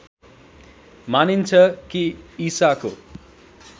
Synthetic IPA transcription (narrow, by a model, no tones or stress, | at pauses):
manint͡sʰʌkiisako̰